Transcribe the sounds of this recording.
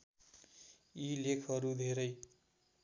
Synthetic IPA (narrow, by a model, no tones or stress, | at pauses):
ilekʰʌɾud̪ʱeɾʌj